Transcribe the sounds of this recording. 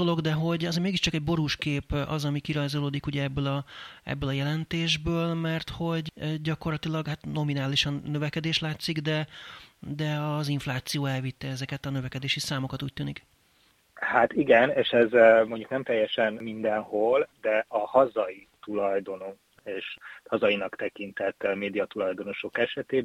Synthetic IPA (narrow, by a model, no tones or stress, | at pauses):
olo̞ɡd̪ɛɦo̞ɟɒzmeːɡiʃt͡ʃɒkɛɟ̚bo̞ɾuːʃkeːpɒ̰zɒmikiɾɒjzoloːd̪ikuɟɛɛbːølɒɛ̰bːøːlɒjɛlɛnt̪eːʒbøːlmɛrt̪ho̞ɟɟɒko̞rlɒt̪ilɒɡhat̪no̞minaːliʃɒnːø̞vɛkɛd̪eːʃlaːt̪siɡd̪ɛ | d̪ɛɒziɱflaːt̪sijoːɛlvit̪ːɛɛzɛkɛt̪ɒnø̞vɛkɛd̪eːʃisaːmo̞kɒt̪uːc̚t̪yːnik | hat̪iɡɛneːʃɛzmo̞ɲɟuknɛmt̪ɛjːɛʃɛnmind̪ɛnhold̪ɛɒhɒzɒjit̪ulɒjd̪o̞no | eːʃhɒzɒinɒkt̪ɛkint̪ɛt̪ːmeːd̪ijɒt̪ulɒjd̪o̞no̞ʃo̞kɛʃɛt̪eː